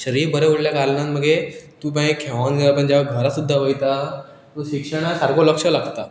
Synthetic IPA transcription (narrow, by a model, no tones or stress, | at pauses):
ɕəɾiːɾbəɾeuɽljakaɾnãnməɡet̪ũːp̬ãĩkʰeʋãnɡeapəɳd͡ʑaʋaɡʱəɾasud̪ʱːaʋəjt̪a | t̪ũɕikʂəɽ̃asaɾkoləkʂəlaɡt̪a